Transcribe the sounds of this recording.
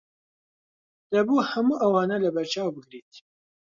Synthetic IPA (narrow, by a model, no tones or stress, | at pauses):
d̪̥ɛbuːhɛmuːʔɛwɑːnɛlɨbɛɾt͡ʃɑːwbɨɡɾiːt̪